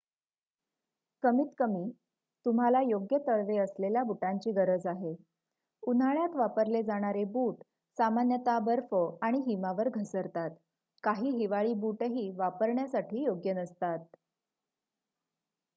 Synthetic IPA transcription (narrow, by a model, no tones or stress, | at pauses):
kəmiːt̪kəmiː | t̪um̤alajoɡjət̪əɭʋeəsleljabuʈaɲt͡ɕiːɡəɾəd͡zaɦe | unaɭjat̪ʋapəɾled͡zaɽ̃aɾebuːʈ | samanjət̪abəɾfəaɽ̃iɦimaʋəɾɡʱəsəɾt̪at̪ | kaɦiːɦiʋaɭiːbuʈɦiːʋapəɾɳjasaʈʰiːjoɡjənəst̪at̪̚